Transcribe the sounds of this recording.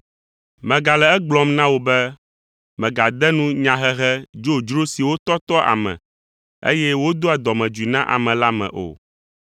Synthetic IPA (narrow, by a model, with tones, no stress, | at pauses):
mɛ̃˨ɡa˨lɛ˨ɛ˦ɡ͡blɔ˦mnã˦wo˦bɛ˦ | mɛ̃˨ɡa˨d̪ɛ˦nũ˦ɲã˨ɦɛ˦ɦɛ˦d͡ʒo˦d͡ʒɾo˦si˨wo˦t̪ɔ˦t̪ɔ˦ʔa̰˨mɛ̰̃˨ | ḛ˦jɛ˦wo˦d̪o˦a˨d̪ɔ˨mɛ̃˨d͡ʒi˨nã˦ʔa̰˨mɛ̃˨la˦mɛ̰̃˨ʔo̰˨